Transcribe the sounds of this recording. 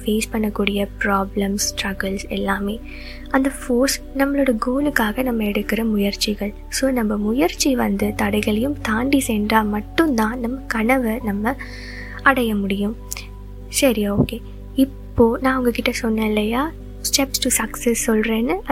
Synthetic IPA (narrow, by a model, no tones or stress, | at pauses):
feːspɐɳːɐkːuːɽɪjɐpɾaːblɐmssʈɾɐɣɐlsɛ̰lːaːmeː | ɐnd̪ɐfoːsnɐmːɐɭoːɽɐɡoːlɯkːaːɣɐnɐmːɐɛɽɯkːɪɾɐmʊjɐɾt͡ʃɪɣɐɭ | soːnɐmːɐmʊjɐɾt͡ʃːiʋɐnd̪ɯt̪ɐɽɐɪɣɐɭɐjɯmt̪aːɳɖiseːndraːmɐʈːɯ̃nd̪ãːnɐmːɐkɐɳɐʋɐnɐmːɐ | ɐɽɐjɐmʊɽɪjɯm | sɐɾɪoːkeː | ɪpːoːnãːɐʊŋɡɐkɪʈːɐsɔnːɐlːɐjaː | sʈɛpsʈusɐksɛsːɔlɾeːnːɯ